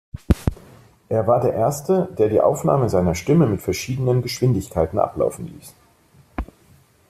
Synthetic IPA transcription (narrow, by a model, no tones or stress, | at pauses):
ʔeːɐvaːɐdeːɐʔeːɐstəd̥eːɐdiːʔa̰ʊfna̰ːməzaɪnɐʃtɪməmɪtfɛɐʃiːdənənɡəʃv̥ɪndɪçkʰaɪtn̩ʔa̰pla̰ʊfn̩lḭːs